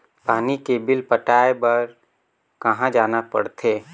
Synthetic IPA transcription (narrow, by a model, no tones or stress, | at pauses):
paːnikebɪlpəʈaːebəɾ | kɐɦãd͡ʒaːnapɐ̰ɽt̪ʰeː